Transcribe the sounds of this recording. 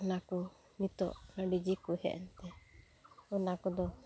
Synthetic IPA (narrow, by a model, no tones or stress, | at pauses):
naku | nit̪ɔ̰ʔnəɖid͡ʒikuhɛ̰ʔɛnt̪ɛ | unakud̪ɔ